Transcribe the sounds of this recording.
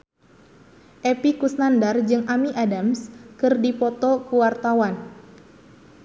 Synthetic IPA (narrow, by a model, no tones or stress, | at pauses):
ʔepikusnandard͡ʒɨŋʔamiʔadamskɨrdipɔt̪ɔkuwart̪awan